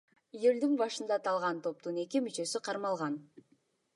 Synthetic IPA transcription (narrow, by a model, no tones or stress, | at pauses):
juld̪yŋbɑʃɯnd̪ɑt̪ʰɑlˠʁɑnt̪ʰo̞p̚t̪une̞kʲimyt͡ʃø̞syqʰɑɾmɑlˠʁɑn